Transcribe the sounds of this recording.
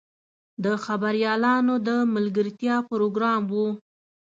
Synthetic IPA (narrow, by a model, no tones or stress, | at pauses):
d̪əxabaɾjɑlɑnod̪əmalɡəɾt̪jɑpɾoɡɾɑmwu